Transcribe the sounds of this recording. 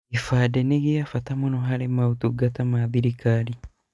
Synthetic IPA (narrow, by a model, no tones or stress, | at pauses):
ifaːdeneɡiafatamunoɦaɾemautuɡatamaðiɾikaɾi